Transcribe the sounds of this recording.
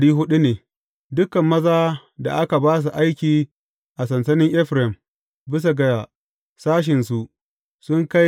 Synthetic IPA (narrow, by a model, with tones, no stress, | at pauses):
ɽiː˦ɦʊ˦ɗu˦neː˨ | dʊ˦kɐ˨mːɐ˦zaː˦ | da̰˨ʔa˦ka˨baː˦s̬u˨ʔa˦jkʲiː˨ | ʔa˨sɐ˨nsɐ˦nɪ˦ŋʔɛ˦ɸɾɛ˨m | bɪ˦s̬a˨ɡa˨a˨ | saː˦ʃ̬ɪ˨nsu˨ʔ | sʊ˦ŋka˦j